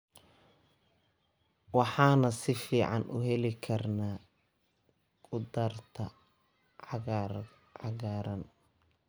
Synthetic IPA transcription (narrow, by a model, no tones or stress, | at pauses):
wɑħɑːnɐsɪfiːʕɑ̰nʔʊɦɛlɪkʰɐrnaː | kʰʼʊd̪ɐrt̪ʰɐ | ʕɑɡaːɾɐn